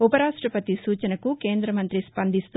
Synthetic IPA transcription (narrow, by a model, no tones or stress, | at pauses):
upɐɾaːʂʈɾɐpɐt̪isuːt͡ʃɐnɐkuke̞ːnd̪ɾɐmɐnt̪ɾispɐnd̪ist̪